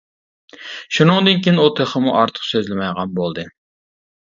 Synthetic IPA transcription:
ʃunɨŋd̪ɨnkʲʰinut̪ʰeχəmuʔɑɾt̪ʰə̥qsøzlɪmɛjʁɑnbolˠd̪ɨ

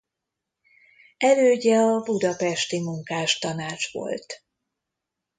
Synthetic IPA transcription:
ɛløːɟɛɒbud̪ɒpɛʃt̪imuŋkaːʃt̪ɒnaːt͡ʃʋo̰lt̪

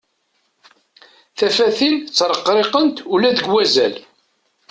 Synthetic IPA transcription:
θæfæθint͡sːɾˤəqːɾˤeqənt̪ulæðəɡwæzæ̰l

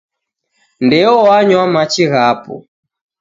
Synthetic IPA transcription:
ndɛɔwaɲwamat͡ʃiɣapɔ̰

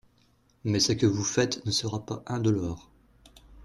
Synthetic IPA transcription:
mɛsəkʲəvufɛt̪nəsəʁapa̰ʔɛ̃d̪əlɔːʁ

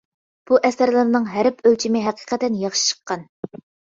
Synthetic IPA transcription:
b̥uʔɛsæɾlˠɪɾnɨŋɦæɾɪpʰølt͡ʃʰimɪɦæqʰi̥qʰɛt̪ːɛnjəʁʃi̥t͡ʃʰə̥qːɑn

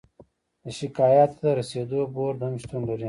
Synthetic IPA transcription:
d̪əʃɪkaːjat̪ːaɾɐseːd̪oboɾd̪ɐmʃt̪unlɐɾi

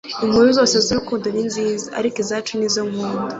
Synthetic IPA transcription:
imuːɾuzoːseziɾikuːnduninziːzaa̰ɾikizaːt͡ʃunizomuːndu

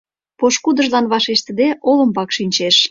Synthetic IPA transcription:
poʃkud̪ə̆ʒlɑnβɑʃeʃt̪ə̆d̪eʔolə̆mbɑkʃinʲt͡ɕeʃ

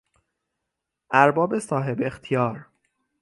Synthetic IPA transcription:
ʔæɾbɒːbesɒːɦe̞bext̪ʰijɒːɾ

